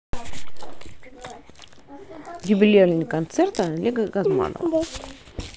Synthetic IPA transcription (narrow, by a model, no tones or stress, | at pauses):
jʲʊbʲɪlʲelʲnʲɪkɐnt̪sɛrt̪əlʲeɡəɡɐzma̰nə̰v